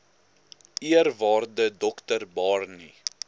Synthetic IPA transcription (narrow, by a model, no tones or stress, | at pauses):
iərvɑːrdədɔktərbɑːrni